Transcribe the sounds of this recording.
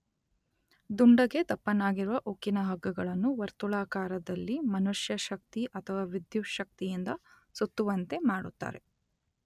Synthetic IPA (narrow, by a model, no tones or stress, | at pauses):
d̪uɳɖɐɡe̞t̪ɐpːɐnaːɡiɾuʋɐʔokːinɐɦɐɡːɐɡɐɭɐnːuʋɐɾt̪uɭaːkaːɾɐd̪ɐlːimɐnuʂjɐʃɐk̚t̪iʔɐt̪ʰɐʋaːʋid̪juʃɐk̚t̪ijind̪ɐ | sut̪ːuʋɐnt̪e̞maːɽut̪ːa̰ːɾe̞̰